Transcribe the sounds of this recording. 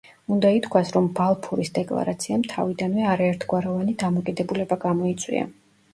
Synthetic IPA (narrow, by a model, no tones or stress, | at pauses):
und̪ait̪ʰkʰwasɾɔmbalˠpʰuɾisd̪ɛkʼlˠa̰ɾat̪sʰiamt̪ʰa̰vid̪anvɛaɾaɛɾt̪ʰɡwaɾɔvanid̪amɔkʼid̪ɛbulɛbaɡamɔit̪sʼwḭa̰